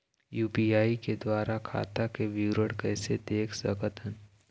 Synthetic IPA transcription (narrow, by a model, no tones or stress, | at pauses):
juːpiːaːiked̪waːɾakʰa̰ːt̪akeʋiːɾəɽkɛːsed̪eːkʰsə̰kət̪ʰən